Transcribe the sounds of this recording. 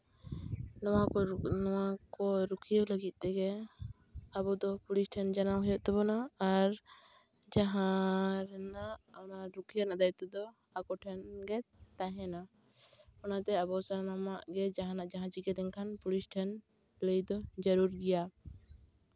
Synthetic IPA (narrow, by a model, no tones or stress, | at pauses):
nɔwanɔwakɔɾukʰiələɡit̪̚ˀt̪ɛɡɛ | abɔd̪ɔpulisʈʰɛnd͡ʒanawɦɛjɔʔt̪ɛbɔnaːɾ | d͡ʒaɦãɾɛnaʔɔnaɾukʰijanad̪ajt̪ɛd̪ɔ | akɔʈʰɛnɡɛt̪aɦɛna | ɔnat̪ɛabɔsanamaʔɡɛd͡ʒaɦãnaʔd͡ʒaɦãt͡ʃiɡɛd̪ɛŋkʰanpulisʈʰɛn | ləjd̪ɔd͡ʒəɾuɾɡɛja